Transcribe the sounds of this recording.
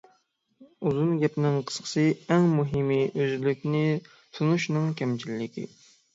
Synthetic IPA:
uzunɡʲɛpnɪŋqʰə̥sqʰə̥sɨɛŋmuɦɨmiʔøzlykʲnɪ | t̪ʰunuʃnɨŋkʲʰɛmt͡ʃʰilːɪkʲḭ

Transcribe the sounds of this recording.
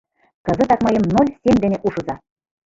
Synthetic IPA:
kɤ̆zɤ̆t̪ɑkmɤjɤ̆mnolʲsʲemʲd̪ɘ̆nʲĕʔuʃɤ̆zɑ

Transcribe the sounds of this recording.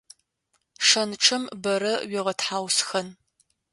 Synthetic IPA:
ʂɐnʈ͡ʂʰɨmbɐɾɐɥiʁɐtħaːwsxɐn

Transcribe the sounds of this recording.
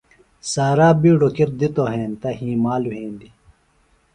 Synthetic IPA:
saːɾaːbiːɖokiɾd̪it̪oɦẽːnt̪ɐɦĩːmaːluɦẽːnd̪i

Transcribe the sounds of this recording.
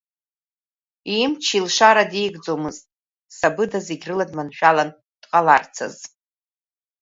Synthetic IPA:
imt͡ʃʰilʂaɾadejɡd͡zomɨztʼ | sabɨdazeɡʲrɨladmanʃᶣalan | d̥qʼalart͡sʰa̰z

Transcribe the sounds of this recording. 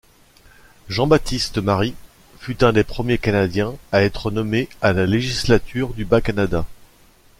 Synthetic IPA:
ʒɑ̃bat̪ist̪əmaʁi | fyt̪ɛ̃d̪epχəmjekanad̪jɛ̃aɛt̪χənɔmealaleʒislat̪ʰyʁd̪ybakanad̪a

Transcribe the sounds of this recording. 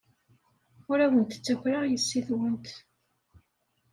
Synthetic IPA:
ʊɾæwənt̪t͡sːæçɾajəsːiθwənt̪

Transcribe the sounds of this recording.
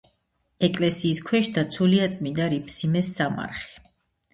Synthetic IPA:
ɛkʼlɛsiːskʰwɛʃd̪at̪sʰuliat̪sʼmind̪aɾipʰsimɛsːama̰ɾχi̥

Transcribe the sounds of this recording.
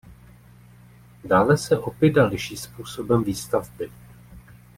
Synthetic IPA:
daːlɛsɛʔo̞pɪdalɪʃiːspuːso̞bɛmviːst̪avbɪ

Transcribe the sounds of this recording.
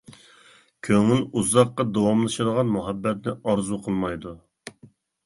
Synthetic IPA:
kʲʰøŋyluzɑqːɑd̪owɑmlˠɨʃɨd̪əʁɑnmuɦɛbːɛt̪̚nɪɑɾzuqʰəlˠmɑjd̪u

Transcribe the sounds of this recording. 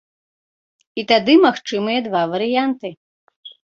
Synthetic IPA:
it̪ad̪ɨmaxt͡ʂɨmɨjɐd̪vavɐɾɨjant̪ɨ

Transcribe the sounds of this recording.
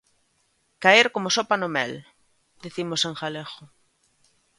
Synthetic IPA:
kaeɾkomosopanomɛ̰l | d̪iθimoseŋxalexo

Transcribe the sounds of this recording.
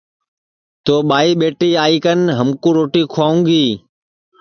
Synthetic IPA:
t̪oːɓaːiːɓeːʈiːaːiːkənɦəmkũːɾoːʈiːkʰʊaːũŋɡiː

